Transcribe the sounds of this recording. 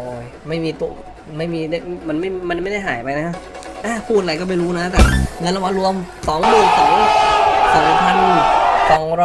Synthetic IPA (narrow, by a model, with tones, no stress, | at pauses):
oː˧˩j | ma˥˩jmiː˧t̪u˧˩ | ma˥˩jmiː˧da˥˩˥ma˧nma˥˩jma˧nma˥˩jda˥˩jɦaː˩˦jpa˧jna˦˥kʰa˦˥p | ʔaː˧˩pʰuː˥˩t̪̚aɾa˧jkɔː˥˩ma˥˩jɾuː˦˥na˦˥t̪ɛː˨˩ŋɤ˧nla˧ma˧˥ɾu˧əmsɔː˩˦ŋmɯː˧˩ŋsɔː˩˦ŋsa˨˩˨pʰa˧n˧˩sɔ˨˩˦ŋɾɔ˥˩